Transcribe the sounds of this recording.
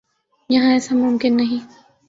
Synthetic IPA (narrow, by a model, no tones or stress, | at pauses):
jɐɦãɛːsamʊmkɪnːɐɦĩ